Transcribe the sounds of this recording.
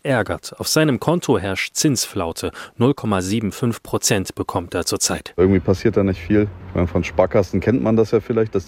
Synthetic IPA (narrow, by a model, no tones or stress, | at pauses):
ʔɛɐɡɐ̰taʊfz̥aɪnəmkʰɔntʰoɦɛɐʃtt͡sɪnsflaʊtʰənʊlkʰɔmaziːbm̩fʏnfpʁ̥ot͡sɛntb̥əkʰɔmteːɐt͡suːɐt͡saɪtʔɪɐɡŋ̩tv̥iːpʰasiːɐt̚d̥aːnɪçtfiːlɪçma̰ɪnəfɔnʃpaːkʰasn̩kʰɛntmʔandasjaːfɪlaɪçt̚d̥as